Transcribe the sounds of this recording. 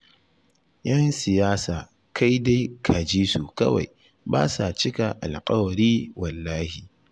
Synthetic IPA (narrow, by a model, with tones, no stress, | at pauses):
jɐ˦nsɪ˨jaː˦saː˨ | kʰa˦jda˦jkʰa˨d͡ʒiː˦su˨kɐ̰˦wa̰˨j | ba̰ː˦sa˨t͡ʃɪ˦ka˨ʔa˨lqʼɐ˦wɽiː˦wɐ˨lːaː˦hi˨